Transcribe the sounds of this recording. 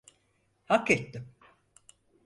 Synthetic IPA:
haket̪ːim

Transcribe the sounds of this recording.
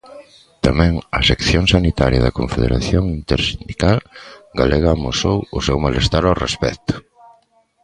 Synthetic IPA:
t̪amɛ̃ŋɐsekθjoŋsanit̪aɾjɐðɐkoɱfeðḛɾa̰θjoŋint̪eɾsind̪ikalɡaleɣaːmosowʊsɛwmalest̪aɾawrespɛkt̪ʊ̥

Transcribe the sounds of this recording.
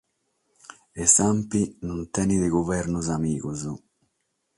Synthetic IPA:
esampinunt̪ɛːnid̪ɪɡuvɛɾnuzamiːkuzu

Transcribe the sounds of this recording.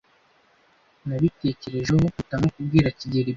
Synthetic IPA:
naβite̞ːce̞ɾe̞ʒeɦokutamokub̚ɡiːɾaciɟeɾi

